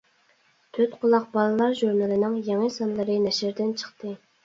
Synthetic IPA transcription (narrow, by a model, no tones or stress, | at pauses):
t̪ʰøt̪qʰʊlˠɑq̚bɑlˠɨlˠɑɾʒuɾnɑlɪnɪŋjeŋəsɑnlˠɨɾɨnɛʃɪɾd̪ɪnt͡ʃʰə̥χt̪ɨ